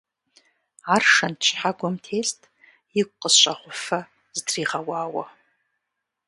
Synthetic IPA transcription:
aːrʂɐntʰt͡ʃʰħaɡʷɔmtʰeːɬtʰʼ | jɪkʷʼqʼəsɕʷʼaʁʷʊfɐ | zdriːʁɐwaːwɐ

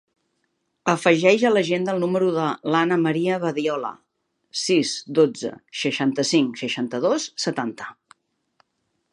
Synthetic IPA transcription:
əfəʒɛʒələʒend̪əlˠnuməɾuðəlanəməɾiəβəðiɔlə̰ | sizd̪od͡zə̰ʃəʃant̪əsiŋsəʃant̪əðosːət̪ant̪ə̥

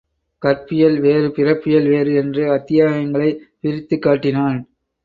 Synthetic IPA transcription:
kɐrpɪjɐlʋeːɾɯpɪrɐpːɪjɐlʋeːɾɯɛndrɯɐt̪ːɪjaːɣɐŋɡɐɭɐɪpɪɾɪt̪ːɯkːaːʈːɪnaːn

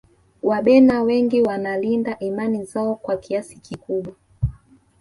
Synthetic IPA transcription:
waɓɛnawɛŋɡiwanalindaʔimanizaɔkwakʰiasi̥kikuɓwa

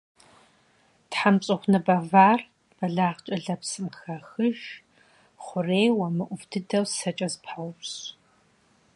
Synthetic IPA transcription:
tħamɕʼɨχʷnɐbɐvaːr | b̥ɐɮaːʁt͡ʃʼɐɮɐpsɨmxɐxɨʒ | χʷʊreːwɐmɨʔʷʊvdʰɨdɐwsɐt͡ʃʼɐzpʰawʊpɕ

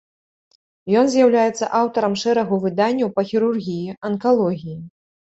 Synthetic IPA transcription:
jɔnzʲjawlʲajɛt̪sɐ̰ʔawt̪ɐɾɐmʂɛɾɐɣuvɨd̪anʲːɐwpɐxʲiɾurɣʲijiʔɐnkalˠɔɣʲiji

